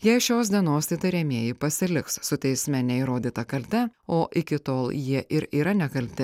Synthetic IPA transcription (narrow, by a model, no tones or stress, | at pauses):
jɛɪʃʲoːs̬d̪ʲiɛnoːst̪ʲɐɪt̪ɐɪɾʲɛmʲeɛjɪpɐsʲɪlʲɪkssʊt̪ʲɛɪsʲmʲɛnʲɛiɾoːd̪ʲiːt̪ɐkɐlʲt̪ʲɛoːʔɪkʲɪt̪oːlˠjiɛʔɪɾiːɾɐnʲɛkɐlʲt̪ʲɪ